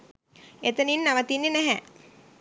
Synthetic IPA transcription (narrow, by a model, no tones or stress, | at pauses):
et̪əninːaʋɐt̪inːenæɦɛ